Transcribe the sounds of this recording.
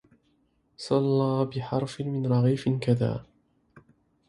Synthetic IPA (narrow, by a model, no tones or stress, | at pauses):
sˤɑlːɑːbɪħɑɾˤfɪmɪnɾˤɑɣiːfɪnkaða̰ː